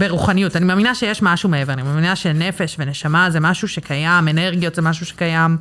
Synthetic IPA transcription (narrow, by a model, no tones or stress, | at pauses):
beʁuχanijutanimaːminaʃejeʃmaʃumeeveanimaːminaʃenefe̞ʃveneʃamazemaʃuʃekʰajameneʁɡijo̞tzemaʃ̬uʃekajam